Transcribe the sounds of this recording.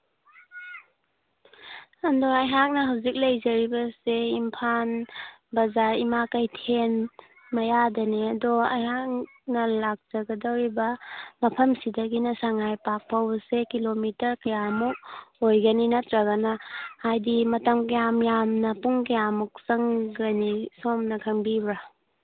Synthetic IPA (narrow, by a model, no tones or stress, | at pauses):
andoajɦak̚nɐɦawzik̚lɐjzɐɾibɐseimpʰan | bɐzaɾimakɐjtʰen | mɐjadɐneɐdɔajɦak̚ | nɐlak̚z̥ɐɡɐdɐwɾibɐmɐpʰɐmsidɐɡinɐsaŋajpak̚pʰawsekilomitɐɾkɐjamuk̚ojɡɐninɐtɾaɡanaajdimɐtɐmkajamjamnɐpuŋk̬ɐjamuk̚sɐŋɡanisomnɐkʰɐŋbibɾa